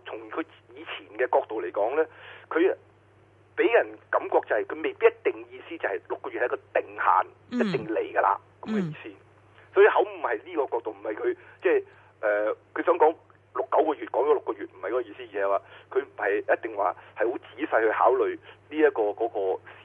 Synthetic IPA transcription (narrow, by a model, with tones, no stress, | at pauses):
t͡sʰʊ˨˩ŋkʰɵ˨˧ɥ | jiː˨˧t͡sʰiː˨˩nkɛː˧kɔː˧k̚t̪o˨wle˨˩jkɔː˨˥ŋlɛː˥kʰɵ˨˧ | pe˨˥jjɐ˨˩nkɐ˨˧˥mkɔː˧k̚t͡sɐ˨˩hɐ˨jkʰɵ˨˧ɥme˨jpi˥jɐ˥t̪̚ɪ˨ŋjiː˧siː˥t͡sɐ˨˩hɐ˨jlʊ˨kːɔː˧jyː˨hjɐ˥kɔː˧t̪ɪ˨ŋha̰ː˨n | jɐ˥t̚t̪ɪ˨ŋle˨˩jɡɐ˧la̰ː˧ | kɐ˨˥mkɐ˨˧jiː˨˧siː˥ | sɔː˨˥ji˧hɐ˨˥wm̩˨˩hɐ˨jliː˥kɔː˧kɔː˧k̚t̪o˨wm̩˨˩hɐ˨jkʰɵ˨˧ɥt͡sɛː˥˩ | ʔɛː˨kʰɵ˨˧ɥsœː˨˥ŋkɔː˨˥ŋ | lʊ˨kːɐ˨˥wkɔː˧yː˨t̚kɔː˨˥ŋt͡ʃɔː˨˧˥lʊ˨kːɔː˧yː˨t̚m̩˨˩hjkɔ˨˥kɔː˧iː˧siː˥jiː˨ɐ˨˧waː˨˧kʰɵ˨˧ɥm̩˨˩hɐ˨jjɐ˥t̚t̪ɪ˨ŋwa̰ː˨˩hɐ˨jho˨˥wt͡siː˨˥sɐ˧jhɵ˧ɥha̰ː˨˥wlɵ˨ɥliː˥jɐ˥kːɔː˧kɔː˨˥kɔː˧s